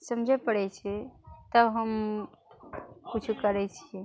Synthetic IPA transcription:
səmd͡ʒʱɛpəɽɛt͡ʃʰɛt̪əɦəm | put͡ʃʰukəɾɛt͡ʃʰi

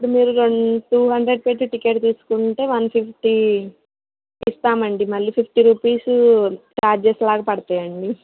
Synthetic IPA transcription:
pːuɽumiːɾuɾoɳʈuːɦɐɳɖɾeɖ̚peʈːuʈike̞ːʈt̪iːsu̥kuɳʈe̞ːʋɐnpʰipʰʈi | st̪aːmɐɳɖimɐlːiːpʰipʰʈiɾuːpiːsuʈaːɾd͡ʒeslaːɡɐpɐɽɐt̪aːjɐɳɖi

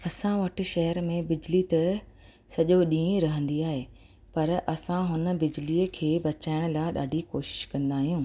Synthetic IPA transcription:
ɐsãʋɐʈʰɪ̆ʃɐɦəɾmẽbɪd͡ʑlit̪ɐ | sɐʄoɗĩːɾɐɦə̃nd̪iaːɦeː | pɐɾʔɐsãɦʊnə̆bɪd͡ʑliːəkʰeːbɐt͡ɕaːɪɽ̃ʊ̆laːɪɗa̰ːɖʱikoːʃɪ̥ʃkɐ̃nd̪aːɦijũː

